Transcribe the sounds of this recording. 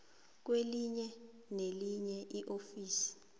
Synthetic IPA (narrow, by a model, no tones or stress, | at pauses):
k̬weliɲɛ | neliɲɛʔiʔofiːsi̥